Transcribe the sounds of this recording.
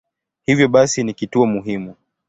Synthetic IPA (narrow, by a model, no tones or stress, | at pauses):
hivjɔɓasinikituɔmuɦimu